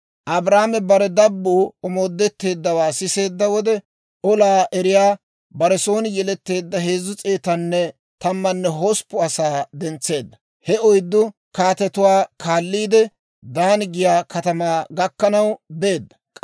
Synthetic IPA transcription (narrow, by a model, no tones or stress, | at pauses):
ʔɐbɾaːmɛbɐɾɛd̪ɐbːuːɔmo̞ːd̪ːɛt̪ːe̞ːd̪ːɐwaːsɪse̞ːd̪ːɐwɔd̪ɛ | ʔɔlaːʔɛɾɪjaː | bɐɾɛso̞ːnɪjɛlɛt̪ːe̞ːd̪ːɐɦe̞ːzːʊt͡sʼe̞ːt̪ɐnːɛ | t̪ɐmːɐnːɛɦospːʊɐsaːd̪ɛnt͡sːe̞ːd̪ːɐ | hɛɔjd̪ːʊ | kaːt̪ɛt̪ʊwaːkʰaːlːiːd̪ɛ | d̪aːnɡɪjaːkɐt̪ɐmaːɡɐkːɐnɐwbe̞ːd̪ːɐ̥